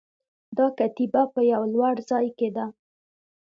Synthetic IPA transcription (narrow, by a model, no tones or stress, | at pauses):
d̪ɑkat̪ibapəjawlwaɽzɑjked̪a